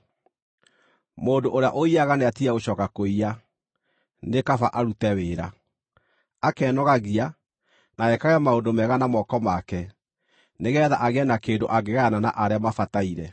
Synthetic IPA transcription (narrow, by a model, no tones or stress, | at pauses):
moːndoʔoɾeaʔoiaɣaneatiaɣoɕɔːkakoia | nekafaʔaɾutɛweːɾa | akɛːnɔɣaɣia | naɛkaɣɛmaondomɛɣanamɔkɔmakɛ | neɣɛðaʔaɣɛnakeːndoʔaɡeɣanana̰ʔaɾeamafataiɾɛ